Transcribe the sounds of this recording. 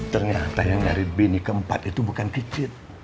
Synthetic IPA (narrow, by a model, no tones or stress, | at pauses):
t̪ərɲat̪ajaŋdaɾibenikəəmpat̪it̪ubukankit͡ʃɪt̪̚